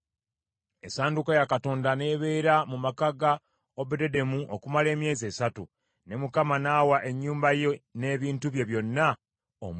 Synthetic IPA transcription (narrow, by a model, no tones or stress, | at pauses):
esaːndukojakato̞ːndane̞ːβe̞ːɾamumakaɡa | obedede̞muʔo̰kumale̞ːmje̞ːzie̞ːsatu | ne̞mukamanaːwaʔeɲːuːmbajene̞ːβiːntuβje̞βjo̞nːa | o̰m